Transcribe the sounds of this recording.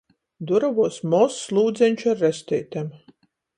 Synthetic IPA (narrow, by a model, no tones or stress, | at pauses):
d̪uɾavuɔsmɔslˠuːd̪zʲɛnʲt͡ʃaɾːɛst̪ɛjt̪ʲɛm